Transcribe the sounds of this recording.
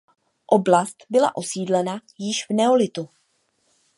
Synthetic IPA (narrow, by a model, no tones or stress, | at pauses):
ʔo̞blast̪bɪla̰ʔo̞siːdlɛnajɪʃvnɛo̞lɪt̪u